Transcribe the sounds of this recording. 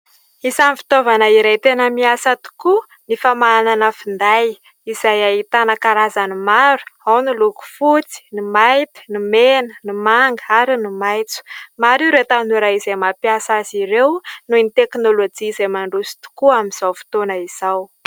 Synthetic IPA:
isamfi̥t̪ovanəiɾajt̪enəmiasət̪u̥ku | nifamaːnanəfind̪aj | izajait̪anakaɾazanimaɾu̥awniluku̥fut͡si̥nimajt̪i̥nimenənimaŋɡəaɾinimajt͡su̥maɾiɾet̪anuɾaizamapjasaziɾewnunit̪eknolod͡ʒiːzejmaɳɖ͡ʐusi̥t̪u̥kuamiz̥awfi̥t̪onəiz̥aw

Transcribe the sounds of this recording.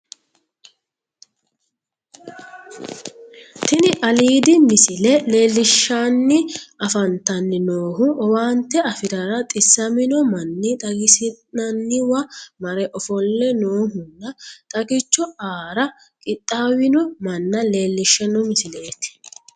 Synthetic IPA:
t̪ɪnɪʔɐliːd̪ɪmɪsɪlɛle̞ːlːɪʃːanːɪɐfɐnt̪ɐnːɪnoːɦʊʔɔwaːnt̪ːɛɐfɪɾɐɾɐt̪ʼɪsːɐmɪnɔmɐnːɪt̪ʼɐɡɪsɪnɐnːɪwɐmɐɾɛʔɔfɔlːɛnoːɦʊnːɐt̪ʼɐɡɪt͡ʃːɔaːɾɐ | kʼɪt̪ʼːaːwɪnɔmɐnːɐle̞ːlːɪʃːɛnɔmɪsɪle̞ːt̪ɪ̥

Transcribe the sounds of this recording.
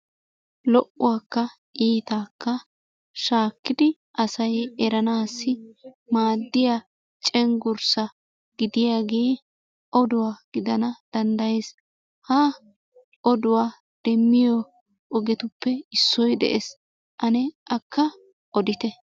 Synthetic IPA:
lɔʔʊwaːkːɐ | ʔiːt̪aːkːɐ | ʃaːkːɪd̪ɪ | ʔɐsɐjɛɾɐnaːsːɪmaːd̪ːɪja | t͡ʃʼɛŋɡʊɾsɐ | ɡ̥ɪd̪ɪjaːɡeː | ɔd̪ʊwaːɡ̥ɪd̪ɐnɐd̪̥ɐnd̪ɐjes | ha | ʔɔd̪ʊwaː | d̪̥ɛmːɪjɔ | ʔːɡɛt̪ʊpːɛɪsːɔjd̪ɛ̰ʔɛs | ʔɐnɛʔɐkʰːɐ | ʔɔd̪ɪt̪ɛ

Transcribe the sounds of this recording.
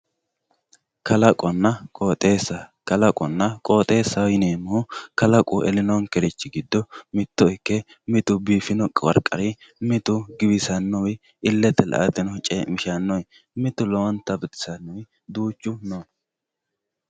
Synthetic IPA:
kɐlɐkʼɔnːɐkʼoːt̪ʼeːsːɐkɐlɐkʼɔnːɐkʼo̞ːt̪ʼe̞ːsːɐjɪneːmʊʊkɐlɐkʼʊʔɛlɪnɔnkɛɾɪt͡ʃːɪɡɪd̪ːɔmɪt̪ːɔɪkːɛ | mɪt̪ʊbiːfɪnɔkʼwɐ̰ɾkʼːɐ̰ɾɪ | mɪt̪ʊɡɪbɪsɐnːɔwɪ | ɪlːɛt̪ːɛlɐ̰ʔɐt̪ɪnɔt͡ʃʼemɪʃɐnːɔjɪ | mɪt̪ʊloːnt̪ɐbɪt̪ɪ̥sɐnːɔwɪ | d̪uːt͡ʃːʊno

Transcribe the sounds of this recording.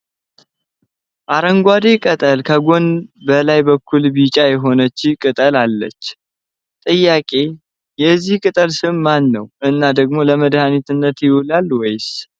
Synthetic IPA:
ʔaɾəŋɡʷad̪ekʼət̪ʼəlkʰəɡo̞nbəlajbəkʰːulbit͡ʃʼajɛɦo̞nət͡ʃːɪkʼɨt̪ʼəlalːə̰t͡ʃː | t̪ʼɨjːakʼe̞ | jɛzːihkʼɨt̪ʼəlsɨnmanːəwʔɨnːad̪əɡmo̞ləməd̪hanit̪ɨnːət̪jɪwulalwɔjs

